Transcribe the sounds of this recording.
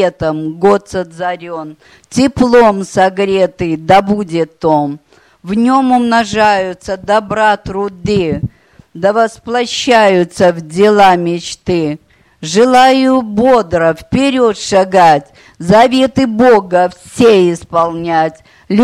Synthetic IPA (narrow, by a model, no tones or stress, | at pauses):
et̪əmɡot̪səd̪zɐɾʲon | tʲɪplˠo̞msɐɡɾʲet̪ɨd̪ɐbudʲɪt̪ːom | vnʲo̞mʊmnɐʐajʊt̪səd̪ɐbɾat̪ɾʊd̪ɨ | d̪əvɐsplˠɐɕːæjʊt̪səvdʲɪlˠamʲɪt͡ɕt̪ɨ | ʐɨlˠajʊbo̞d̪ɾəfpʲɪɾʲo̞t̪ʂaɡatʲ | zɐvʲe̞t̪ɨboɡəfsʲeɪspɐlˠnʲætʲ | lʲ